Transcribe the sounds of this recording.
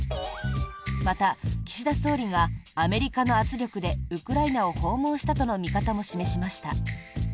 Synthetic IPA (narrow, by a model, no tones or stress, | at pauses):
mat̪akʲi̥ɕid̪aso̞ːɾʲiɡaːme̞ɾʲikano̞at͡sɨɾʲo̞kɯ̟d̪e̞ɯ̟kɯ̟ɾainao̞ho̞ːmõ̞ːɕi̥t̪at̪o̞no̞mʲikat̪amo̞ɕime̞ɕimaɕi̥t̪a̰